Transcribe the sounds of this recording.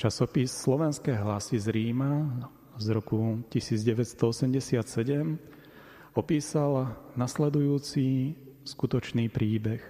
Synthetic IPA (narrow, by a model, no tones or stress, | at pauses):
t͡ʃasɔpisːlɔʋɛnskɛjɦlasizɾiːma | zɾɔkucisiːd͡zɟɛʋɛt̪st̪ɔɔsɛmɟɛsɪat̪sɛɟɛm | ɔpiːsalnaslɛd̪ujuːt͡siskut̪ɔt͡ʃniːpɾiːbɛx